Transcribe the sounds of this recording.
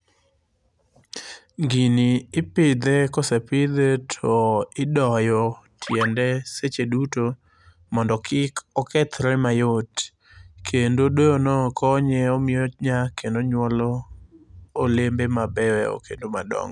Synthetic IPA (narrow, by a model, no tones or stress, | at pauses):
ŋɡiniːpɪd̪ɛkɔsɛpɪd̪etʰɔɪdɔjɔtʰjɛndɛset͡ʃeduto | mɔndɔkʰɪkɔkɛt̪ɾɛmajot | kʰendodweonɔkʰɔɲɛɔmɪɔɲakendoɲwɔlɔː | lembemabɛwɛo̰kḛndomadɔ̰ŋ